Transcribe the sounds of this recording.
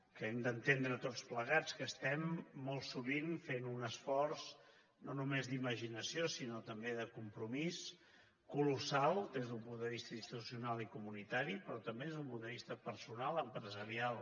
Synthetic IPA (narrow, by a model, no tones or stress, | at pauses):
kəɛmd̪ənt̪end̪ɾət̪ot͡spləɣ̞at͡skəst̪ɛmːɔlˠsuβinfenunəsfɔrz | nonumezd̪iməʒinəsiosinot̪əmbeðəkumpɾumis | kulusalˠd̪ezðumpund̪əβist̪əinst̪it̪u̥siunalˠikumunit̪aɾipɾɔt̪əmbeðezðumpund̪əβ̞ist̪əpəɾsunalˠəmpɾəzəɾialˠ